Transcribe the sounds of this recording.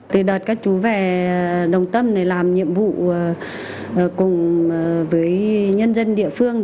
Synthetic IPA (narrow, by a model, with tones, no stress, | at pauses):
t̪ɨ˨˩ɗəː˨˩t̚kaː˦˥k̚t͡ɕu˨˦vɛ˨˩ɗə˨˩wŋ͡mt̪ə˧mna˨˩laː˨˩mɲḭ˧˨əmvṵ˧˨˩ | kʊ˨˩ŋ͡mvəː˨˦jɲə˧nzə˧nɗḭ˧˨əfɨ˧əŋ